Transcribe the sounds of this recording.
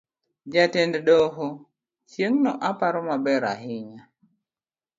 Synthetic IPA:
d͡ʒatɛnddoɦo | t͡ʃjeŋnɔʔapaɾɔmabɛɾa̰ɦɪɲa

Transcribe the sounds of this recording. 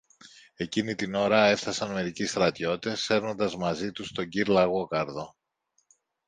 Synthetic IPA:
e̞cinit̪ino̞ɾɐe̞fθɐsɐnme̞ɾicist̪ɾɐt̪ʝo̞t̪e̞sfe̞ɾno̞nd̪ɐzmɐzit̪ust̪o̞ɲɟiɾlɐɣo̞kɐɾðo̞

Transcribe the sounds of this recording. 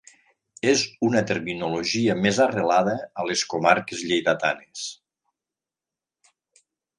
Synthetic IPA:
ezunət̪eɾminuloʒiəmezərelaðəːleskomaɾkezʎejðat̪anes

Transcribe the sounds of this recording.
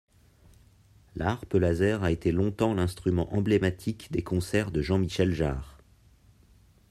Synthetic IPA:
lʔaʁpəlazɛʁaet̪elɔ̃t̪ɑ̃lɛ̃st̪χymɑ̃ʔɑ̃blemat̪ʰikd̪ekʰɔ̃sɛʁd̪əʒɑ̃miʃɛlʒa̰ːʁ

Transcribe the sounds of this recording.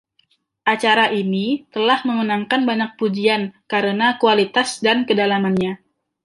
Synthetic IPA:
ʔat͡ʃaɾaʔinit̪əlahməŋunaŋkanbaɲak̚pud͡ʒiankaɾənakualit̪asdankədalamanɲa

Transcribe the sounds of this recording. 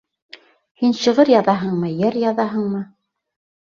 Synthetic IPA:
hinɕɤ̆ʁɤɾjɑðɑɦɤɴmɤjæɾjɑðɑɦɤ̆ɴmɤ

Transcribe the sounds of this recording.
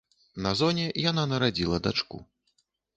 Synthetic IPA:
nɐzɔnʲɛjananɐɾad͡zʲilˠɐd̪at͡ʂkṵ

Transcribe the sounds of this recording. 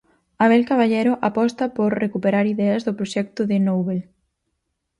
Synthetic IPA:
aβɛlkaβ̞aʎɛɾʊʔapɔst̪ɐpoɾrekupeɾaɾiðɛɐzðʊpɾoʃɛk̚t̪ʊðɪnowβel

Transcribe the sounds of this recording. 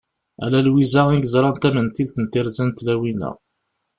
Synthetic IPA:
æ̰lælwizæiɡəzˤɾˤɑnt̪æmənt̪ilθənt̪ɪɾzænt̪læwinə̰ʁ

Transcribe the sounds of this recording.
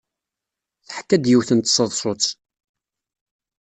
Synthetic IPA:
θħkːæd̪jiwθənt̪sˤəðˤsˤot͡s

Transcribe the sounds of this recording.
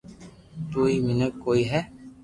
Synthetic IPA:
t̪uːimɪnət̚koːiɦɛ

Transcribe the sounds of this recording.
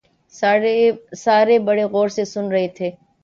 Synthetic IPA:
saːɾebɐɽeɣɔːɾsesʊnɾɐɦet̪ʰeː

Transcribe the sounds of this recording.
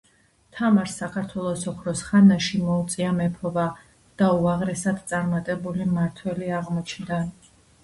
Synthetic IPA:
t̪ʰamaɾsakʰaɾt̪ʰwɛlˠɔsɔkʰɾɔsχanaʃimɔut̪sʼiamɛpʰɔva | d̪̥auaʁɾɛsad̪t̪sʼaɾmat̪ʼɛbulimaɾt̪ʰwɛliaʁmɔt͡ʃʰnd̪a

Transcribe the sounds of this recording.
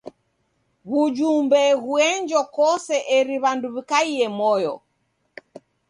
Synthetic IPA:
ɣud͡ʒumbɛɣuɛɲd͡ʒɔkɔsɛʔɛɾiβanduβikaiɛmɔjɔ̰

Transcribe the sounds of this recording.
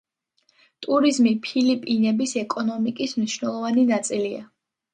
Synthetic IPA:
t̪ʼuɾizmipʰilipʼinɛbisɛkʼɔnɔmikʼismniʃvnɛlˠɔvaninat̪sʼilia̰

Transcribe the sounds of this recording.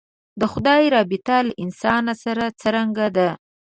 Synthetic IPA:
d̪əxʊd̪ɑjɾɑbɪt̪alaʔɪnsɑnasaɾat͡səɾaŋɡad̪a

